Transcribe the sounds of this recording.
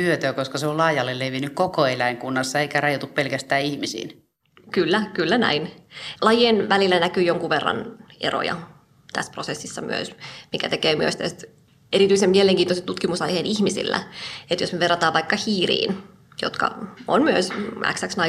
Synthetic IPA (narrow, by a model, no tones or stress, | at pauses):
yøt̪øːkoskɑseollɑːjɑlːelleʋinykkokoelæiŋkunːɑsːɑeikærɑjot̪uppelkæst̪æːihmisḭːn | kylːækylːænæ̰inlɑjenʋælilːænækyːjoŋkuʋerːɑ̰nḛro̰jɑ̰ | t̪æ̰sprosesːisːɑmy̰ø̰smikæt̪ekeːmyø̰st̪æst̪ | eɾit̪yˑisemmieleŋkiːnoset̪t̪ut̪kimusɑjheːnihmisḭlːæ̰et̪josmeʋerːɑt̪ɑːʋʋɑikːɑhiːrḭːn | jo̰t̪kɑ̰o̰nmyøsʔæ̰ksæksnɑ